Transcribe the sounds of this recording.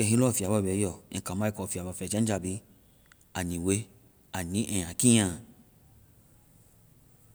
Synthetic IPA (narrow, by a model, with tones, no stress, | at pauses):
ɛ˧˨ɦĩ˧˦lfi˨a˨bɔ˦˨bɛ˨˦jɔ˦˨ɛ̃˨ka˨ma˦i˦kɔ˨fi˨a˨ba˧˨fɛ˨d͡ʒa˦d͡ʒa˧˨bi˧˦ | a˨nĩ˨we˦ | a˨nĩ˨˦ʔɛ˨jã˨kĩ˦ã˨